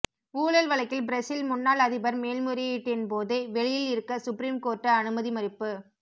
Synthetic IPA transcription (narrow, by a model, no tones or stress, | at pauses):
uːɭɐlʋɐɭɐɪkːɪlbɪɾɐsɪlmʊnːaːlɐðɪbɐɾmeːlmɯɾɪɪʈːenpoːðeʋɛɻɪjɪlɪɾɯkːɐsʊpɾiːmkoːrʈːɐɐnɯmɐðimɐɾɪpːɯ